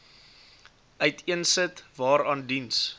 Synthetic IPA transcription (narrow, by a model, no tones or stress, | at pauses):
ʔœɥtʰiənsətvɑːɾɑːndins